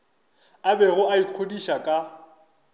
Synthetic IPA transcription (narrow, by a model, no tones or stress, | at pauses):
abɛɣʊʔaiq͡χʰodiʃakʼa